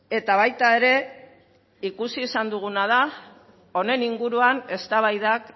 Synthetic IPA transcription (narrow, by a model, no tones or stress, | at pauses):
e̞t̪aβ̞ajt̪ae̞ɾe̞ | ikusiːsand̪uɣ̞unað̞a | o̞ne̞niŋɡuɾuane̞st̪aβajðak